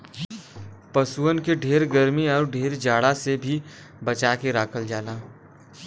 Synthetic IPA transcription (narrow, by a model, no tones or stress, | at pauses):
pɐsuənkeɖʱeːɾɡəɾmiɔːɾɖʱeːɾd͡ʒaːɽasebʱi | bɐt͡ʃaːkeɾaːkʰəld͡ʒaːlaː